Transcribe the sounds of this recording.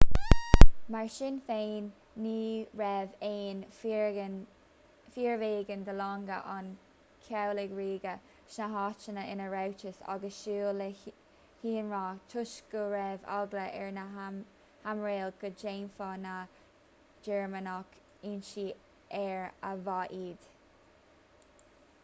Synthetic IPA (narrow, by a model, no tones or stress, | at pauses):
maɹʃɪnfeːnː | iːɹɛveːn | fiːɹveːɡənd̪əlɑːŋɡə̰ʔan | kʰawlɪɡɹiːɡə | ʃnaɦɑːt͡ʃənəʔɪnəɹawt͡ʃəsa̰ɡəsʃuːl | hiːnɹaːt͡ʃʰʊʃɡəɹɛva̰ɡləʔɛɹnə | hamɹeːlɡəd͡ʒeːnfɔna | d͡ʒɛɹmənɔk | iːnʃiː | ɛɹəvaʔiːd̪̥